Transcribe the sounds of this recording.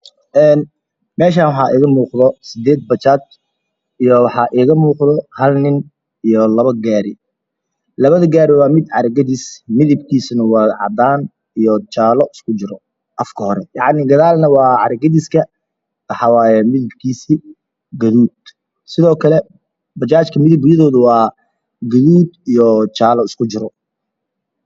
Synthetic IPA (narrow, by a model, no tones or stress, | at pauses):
ʔɛːn | mɛːʃ̬aːnwɑħɑːʔiːɣɐmuːqðɔsɪd̪ɛːd̪̚bɐt͡ʃaːd̪̚ | ʔijɔwɑħɑːʔiːɣɐmuːqðɔhɐlnɪn | ijɔlɐβɐɡaːɾɪ | lɐβɐðɐɡaːɾɪwɑːmɪd̪ʕɑ̰ɾɐɡɐðɪsmɪðɪb̚kʰiːsʊnɐwɑːʕɑ̰d̪aːn | ijɔt͡ʃaːlɔʔɪskʰʊt͡ʃɪɾɔ | ʔɐfkʰɐhɔɾɛjɑʕnɪɡɐðaːlnɐwɑːʕɑɾɐɡɐðɪskʰɐ | ɐħɑwaːjɛmɪðɪb̚kʰiːsi | ɡɐðuːd̪ | sɪðɔːkʰɐlɛ | bɐt͡ʃaːt͡ʃkʰɐmɪðɪbjɐðɔːðʊwɑː | ɡɐðuːd̪ijɔt͡ʃaːlɔɪskʰʊt͡ʃɪɾɔ